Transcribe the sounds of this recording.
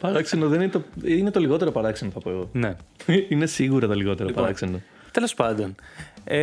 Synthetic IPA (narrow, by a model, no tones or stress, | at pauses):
ɾɐksenoðeninet̪oine̞t̪oliɣo̞t̪eɾopɐɾɐksenoθɐpoeɣo̞neine̞siɣuɾɐt̪oliɣo̞t̪e̞ɾopɐɾɐkseno | t̪elo̞spɐnd̪one